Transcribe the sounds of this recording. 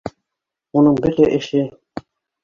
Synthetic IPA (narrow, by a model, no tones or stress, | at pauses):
unɤɴbɘɾt̪æʔɘ̆ʃɘ